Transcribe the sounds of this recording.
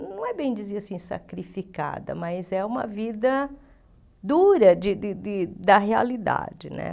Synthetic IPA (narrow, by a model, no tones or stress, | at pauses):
nɐ̃w̃ɛbẽj̃d͡ʒiziɾasĩsa̰kɾifika̰d̪ɐ̰mɐzɛũmɐ̰vid̪ɐ | d̪uɾɐd͡ʒɪdɪd̪ɪd̪ɐɦea̰lid̪a̰d͡ʒɪnɛ̰